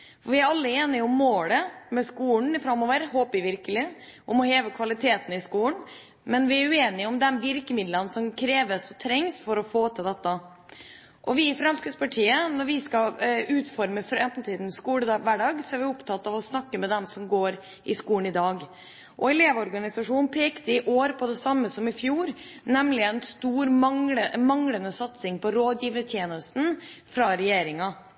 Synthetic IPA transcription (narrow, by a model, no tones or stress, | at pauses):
fɔɾʋɪæɾɑlːəeːnɪʊmːoːləmɛskuːɳfɾɑmːoːʋəɾɦoːpɪʋɪɾkəlɪ | ʔɔmɔheːʋəkʰʋɑlɪt̪ʰeːt̪ənɪskuːəɳ | mɛnʋɪæɾʉeːnɪʊmd̪ɛnʋɪɾkəmɪd̪lənsɔmkʰɾeːʋəsɔt̪ʰɾɛŋsfɔɾɔfoːt̪ʰɪld̪ɛt̪ːə | ʔɔʋɪfɾɑmskəspɑʈʰiːənɔɾʋɪskɑʉːt̪fɔɾməfɾɛnt̪n̩t̪ʰiːd̪n̩skuːɽəd̪ʋæːɖɑːɡsɔæɾʋɪʊpt̪ʰɑt̪ːɑʋɔsnɑkːəmɛd̪ɛmsɔmɡoːɾ | ʔɪskuːɳ̩ɪd̪ɑːɡ | ʔɔɛleːʋəɔɾɡɑnɪsɑʂuːnpʰeːkt̪əɪʔoːɾpʰɔd̪ɛsɑmːəsɔmɪfjuːɾnɛmlɪɛnst̪uːɾmɑŋəmɑŋlənəsɑt̪sɪŋpɔɾoːd̪jiːʋ̪ət̪ʰjeːnəst̪n̩fɾɑɾɛjeːɾɪŋɑ